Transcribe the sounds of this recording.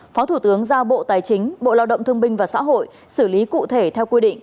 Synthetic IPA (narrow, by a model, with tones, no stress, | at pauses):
fɔ˨˦t̪ʰu˧˩t̪ɨ˨˦əŋzaː˧ɓo̰˧˨t̪aː˨˩jt͡ɕï˨˦ŋ̟ɓo̰˧˨laː˧wɗə̰˧˨wŋ͡mt̪ʰəŋɓï˧ŋ̟vaː˨˩sa̰ː˧˥ɦo̰˧˨j | sɨ˧˩li˨˦kṵ˧˨t̪ʰe˧˩t̪ʰɛ˧wkwi˧ɗḭ̈˧˨ŋ̟ʔ